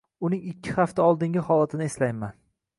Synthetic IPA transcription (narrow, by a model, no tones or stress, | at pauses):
ʊnɪŋɪkʲʰːɪ̥haft̪aɒlˠd̪ɪŋɡʲɪhɒlˠat̪ʰɪnɪeslajman